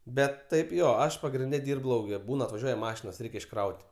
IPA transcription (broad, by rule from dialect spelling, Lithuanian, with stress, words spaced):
ˈbʲɛt ˈtɐɪp ˈjoː ˈɐʃ pɐɡrʲɪnʲˈdʲɛ ˈdʲiːrp ˈlˠɐʊkʲɛ ˈbuːn ɐtʋɐˈʒʲuɔjɛ ˈmɑːʃʲɪnoːs ˈrʲɛɪkʲ ɪʃˈkrɐʊtʲ